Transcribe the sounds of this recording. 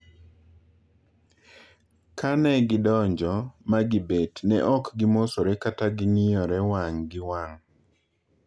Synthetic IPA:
kʰanɛɡɪdɔɲd͡ʒɔmaɡɪbetnɛʔɔkɡɪmosoɾɛkataɡɪnɪɔɾɛwaŋɡɪwaŋ

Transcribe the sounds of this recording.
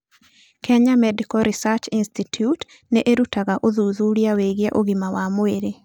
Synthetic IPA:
kʰeɲamɛdikɔɾisat͡ʃinstitʰjut | neʔeɾutaɣaʔoðuðuɾjaweɣjɛʔoɡimawamoeɾe

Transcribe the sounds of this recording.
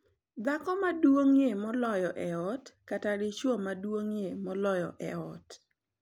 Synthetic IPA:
d̪akɔmadwoŋjemɔlɔjɔʔɛɔtkataɾɪt͡ʃwomadwoŋjemɔlɔjɔ̰ʔɛ̰ɔt

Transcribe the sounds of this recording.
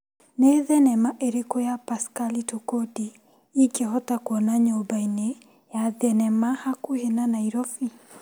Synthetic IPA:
neðɛnɛmaʔeɾikɔjapaskalitokɔdi | ikeɦɔtakwɔnaɲɔbaine | jaðɛnɛmahakuhenanaiɾɔfi

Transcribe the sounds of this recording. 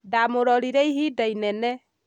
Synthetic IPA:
damoɾɔɾiɾɛiɦidainɛnɛ

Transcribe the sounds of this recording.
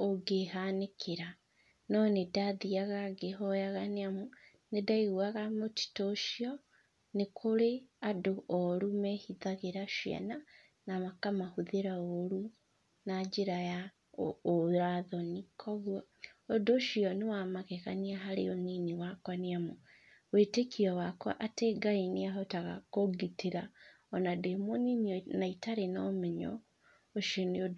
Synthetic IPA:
oɡehanekʰeɾa | nɔnedaðiaɣaɡeɦɔjaɣaneamu | nedaiɣwaɣamoti̥toʃiɔ | nekʰoɾeadoʔɔɾumɛhiðaɣeɾaʃiɛ̰na | namakamahuðeɾaoɾu | nad͡ʒeɾaja | oɾaðɔnikʰɔɣwɔodoʃiɔnewamaɣeɣaniaɦaɾeoniniwakwaneamo | weːtekiɔwakwa̰ʔateɡainiaɦɔtaɣa̰koɡiteɾa | ɔnademoniniɔnaitaɾenaːmɛɲɔ̰ | oʃoniod

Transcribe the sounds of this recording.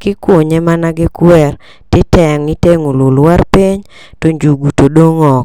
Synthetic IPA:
kɪkwoɲɛmanaɡɪkwɛr | tɪtɛŋiteŋolulwarpiɲ | toɲd͡ʒuɡutodoŋɔk

